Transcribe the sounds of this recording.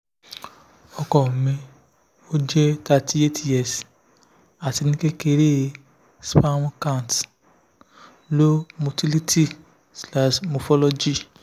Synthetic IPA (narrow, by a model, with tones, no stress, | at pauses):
ɔ˧kɔ˨mĩ˧ | o˦d͡ʒɛ˦ka˧ti˦e˦ti˦ɛ˨s | a˨ti˧nĩ˦ke˦ke˧ɾe˦˨ | spa˦w̃ɔ̃˦kã˦˨n˨t | lo˦mo˨ti˦li˦tʰi˦ | sla˨ʃmo˨fɔ˦lɔ˦d͡ʒi˦